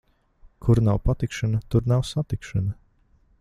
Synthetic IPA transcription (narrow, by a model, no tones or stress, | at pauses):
kʰuɾnawpat̪ikʃanat̪uɾnawsat̪ikʃan